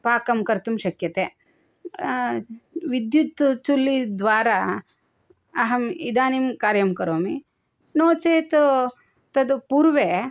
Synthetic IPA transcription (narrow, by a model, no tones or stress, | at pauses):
paːkɐmkɐɾt̪umʃɐkjɐt̪eː | ʋid̪jut̪ːt͡ʃulːid̪ʋaːɾa | ɐɦɐmid̪aːnimkaːɾjɐmkɐɾoːmi | noːt͡ʃeːt̪u | t̪ɐd̪upuːɾʋeː